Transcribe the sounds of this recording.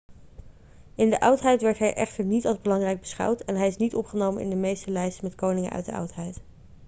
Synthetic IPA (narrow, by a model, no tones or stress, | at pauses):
ɪndəʔɑwtɦɛjtʋɛɹtɦɛjʔɛχtəɹnitɑlzbəlɑŋrɛjɡ̚bəsχɑ̰wtʰɛnɦɛjɪsnitɔpχənowmənʔɪ̰ndəmejstəlɛjstmɛtkownɪŋə̰ʔœ̰ɥt̚də̰ʔɑ̰wtɦɛjt